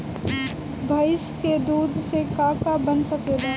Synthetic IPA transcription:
bʱɐɪsked̪uːd̪ʱsekaːkabənsɐkeːd̪a

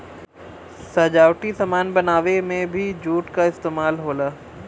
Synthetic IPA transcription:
sɐd͡ʒaːwʈisɐmaːnbɐnaːʋemẽbʱid͡ʒuːʈkaɪst̪eːmaːlɦoːlaː

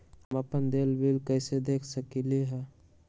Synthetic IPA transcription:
ɦəməpənd̪eːlʋilkəɪsed̪eːkʰsəkiliɦɛ

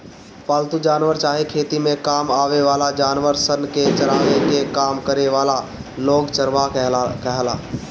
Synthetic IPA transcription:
paːlt̪ud͡ʒaːnʋəɾt͡ʃaːɦekʰeːt̪imẽkaːmaːʋeʋaːlad͡ʒaːnʋəɾsənket͡ʃəɾaːʋekekaːmkəɾeʋaːlaloːɡt͡ʃəɾʋakɛɦla̰ː

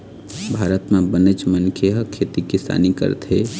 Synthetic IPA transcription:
bʱaːɾət̪mebənet͡ʃmənkʰeɦəkʰet̪ikisa̰ːnikə̰ɾt̪ɦe

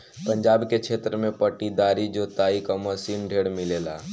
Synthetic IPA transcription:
pəɲd͡ʒaːbket͡ʃʰeːt̪ɾəmẽpəʈid̪aɾid͡ʒot̪aikaməsiːnɖʱeːɽmɪleːla̰

